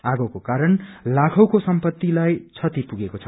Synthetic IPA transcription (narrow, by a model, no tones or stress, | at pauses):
aɡʌwkokaɾʌnlakʰʌwkosʌmpʌt̪ːilajt͡sʰʌt̪ipuɡekot͡sʰʌ